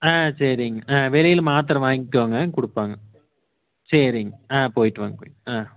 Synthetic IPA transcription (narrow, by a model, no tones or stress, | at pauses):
ãːsɐɾɪŋɡɐʔãːʋɛlɐjɪlmaːt̪̬ɪɾɐ̃ʋaːŋɡɪʈːaːŋɡɐkʊɽɯpːaːŋɡɐ | sɐɾɪŋɡɐãːpoːjɪʈːɯʋa̰ːŋɡɐpoːjãː